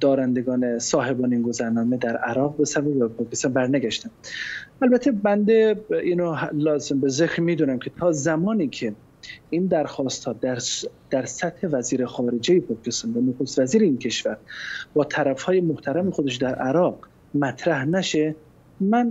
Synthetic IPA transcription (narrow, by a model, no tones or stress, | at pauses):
d̪̥ɒːɾænd̪eɡɒːnesɒːɦe̞bɒːneinɡo̞zæɾnɒːme̞d̪æɾʔæɾɒːɣ̚besævæjæpʰɒːkʰest̪ɑnbæɾnæɡæʃt̪ænælbæt̪ʰe̞bænd̪eiːnolɒːzembezekɾmiːd̪uːnæmcʰet̪ʰɒːzæmɒːniːkʰe | ind̪æɾxɒːst̪hɒːd̪æɾd̪̥æɾsæt̪he̞væziːɾexɒːɾe̞d͡ʒejepʰɒːkʰest̪ɒnvænoxost̪væziːɾeiːnkʰe̞ʃvæɾbɒːt̪ʰæɾæfhɒːjemoht̪ʰæɾæmexod̪e̞ʃ̬d̪æɾʔæɾɒːɡ | mæt̪ʰɾæhnæʃe | mæn